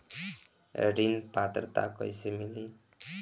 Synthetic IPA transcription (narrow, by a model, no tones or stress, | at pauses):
ɾinpat̪rʌt̪a̰kʌjsemili